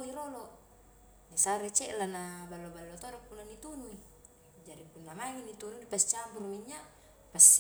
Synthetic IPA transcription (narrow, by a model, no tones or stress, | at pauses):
iɾolo | nisaɾet͡ʃɛʔlanabalːobalːot̪oɾɔpunːanit̪unui | d͡ʒaɾipunːamaŋinit̪ununipast͡ʃambuɾuiɲːa | pas